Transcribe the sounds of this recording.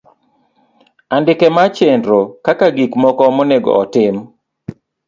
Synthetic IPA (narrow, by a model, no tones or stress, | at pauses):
andɪkɛmat͡ʃendɾokakaɡikmɔkɔmoneɡɔ̰ɔtɪm